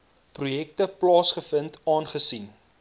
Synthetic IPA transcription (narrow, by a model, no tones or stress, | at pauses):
prujɛk̚təplɑːsχəfəntɑːnχəsin